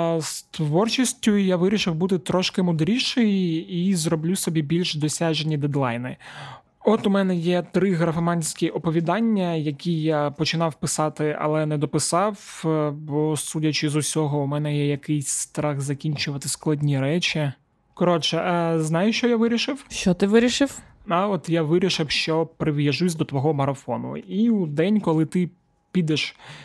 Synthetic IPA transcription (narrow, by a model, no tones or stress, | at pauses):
st̪ʋɔrt͡ʃisʲtʲʊjaʋɪɾʲiʃɪwbut̪ɪt̪ɾɔʃkɪmʊd̪ɾʲiʃejizrɔblʲusɔbʲibʲilʲʃd̪ɔsʲɑʒenʲid̪ɛd̪lˠɑjnɪ | ɔt̪ʊmɛnɛjɛt̪ɾɪɣɾɐfɐmɑnʲsʲkʲiʔɔpɔʋʲid̪ɑnʲːɐjɐkʲijapɔt͡ʃɪnɑwpɪsɑt̪ɪɐ̰lˠɛnɛd̪ɔpɪsɑwbɔsudʲɐt͡ʃɪzʊsʲɔɦɔumɛnɛjɛjɐkɪjsʲst̪ɾɑxzɐkʲinʲt͡ʃʊʋɐt̪ɪsklˠɐdʲnʲiɾɛt͡ʃʲi | kɔɾɔt͡ʃɛznɑjʊʃt͡ʃɔjaʋɪɾʲiʃɪwʃt͡ʃɔt̪ɪʋɪɾʲiʃɪw | ɑɔt̪jaʋɪɾʲiʃɪwʃt͡ʃɔpɾɪʋjɐʒusʲd̪ɔt̪ʋɔɦɔmɐɾɐfɔnʊ̰iud̪ɛnʲkɔlˠɪt̪ɪ | pʲid̪ɛʃ